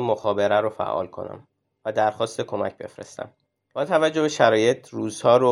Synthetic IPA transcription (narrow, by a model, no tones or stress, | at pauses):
moxɒːbe̞ɾæɾofæ̰ʔɒ̰ːlkʰo̞̰næ̰m | væd̪æɾxɒːst̪e̞kʰo̞mæ̰cbe̞̰fɾḛst̪æ̰m | b̥ɒːt̪ʰævæd͡ʒːobe̞ʃæɾɒːje̞t̪ʰɾuːzhɒːɾo